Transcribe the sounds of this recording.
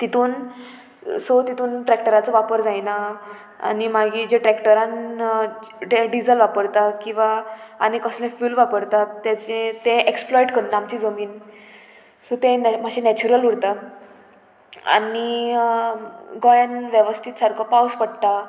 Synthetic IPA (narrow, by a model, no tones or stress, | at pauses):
t̪it̪uːn | sot̪it̪uːnʈɾɛkʈəɾat͡sɔʋapəɾd͡zajna | a̰nimaɡiːd͡ʑẽʈɾɛkʈəɾãn | ɖeɖid͡zəlʋapəɾt̪akĩw̃ʋaːnikəslẽfuːlʋapəɾt̪at̪jat͡ɕẽt̪ẽʔeksplɔjʈkʰəɽnaamt͡ɕiːd͡zəmiːn | sot̪ẽm̤aɕĩnɛt͡ɕuɾəluɽt̪a | a̰ni | ɡɔjanʋjeʋəst̪ʰit̪saɾkʰɔpawspəɽt̪a